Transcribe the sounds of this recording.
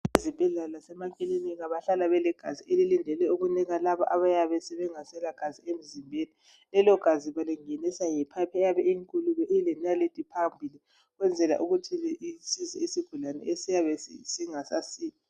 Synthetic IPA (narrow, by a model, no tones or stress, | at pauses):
izib̥ʱɛɮalasɛmakʼiliniɣaβaɬalaβɛlɛɡ̥ʱazielilindʱɛlɛuɣuniɣalaβɔ̰ʔaβajaβɛsɛβɛŋasɛlaɡ̥ʱaziem̩zimbʱeni | lɛlɔɡ̥ʱaziβaliŋenisajɛpʰapʰɛjaβɛiŋkʼuluβɛʔilɛnalitʼipʰambʱili | ɣwɛnd͡zʱɛla̰ʔuɣutʰiisiziesiɡ̥ʱulanɛ̰esijaβɛsisiŋasasiːla